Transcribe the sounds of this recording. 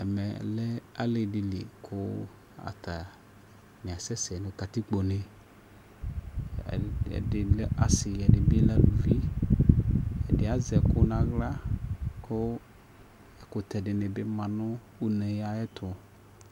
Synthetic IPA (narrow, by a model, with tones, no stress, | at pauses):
ɛ˨mɛ˨lɛ˦a˦lɪ˨dɪ˨lḭ˨kʰʊ˦ | a̰˨tʰa˨ | mɪ̃˨a˨sɛ˦sɛ˨nʊ̃˨ta˨t̪i˦k͡po˨nɪ˨ | ɪ˨la˨sɪ˨ɛ˨dɪ˨bɪ˦la˦du˨vi˦ | ɛ˨dɪ˨˦a˨zɛ˨kʊ˦nã˨ɣla˦kʰʊ˦ | ɛ˨kʊ˨t̪ɛ˨dɪ˨nɪ̃˨bɪ˦mã˨nʊ̃˦ | u˦nɛ̃˨ja˦ɛ˦t̪ʰʊ˨